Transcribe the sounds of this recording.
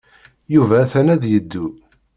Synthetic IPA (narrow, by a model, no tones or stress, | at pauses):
juvæːθænæðjəd̪ːu